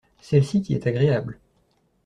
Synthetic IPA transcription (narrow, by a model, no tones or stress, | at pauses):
sɛlsikʲiɛ̰t̪aɡʁeabl